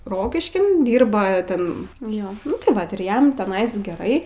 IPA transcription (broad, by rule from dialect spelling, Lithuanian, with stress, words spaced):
ˈroːkʲɪʃʲkʲɪn ˈdʲiːrbɐ ˈtʲɛn ˈjoː tɐɪ ˈʋɐt ɪr ˈjɛm tʲɛˈnɐɪs ɡʲɛˈrɐɪ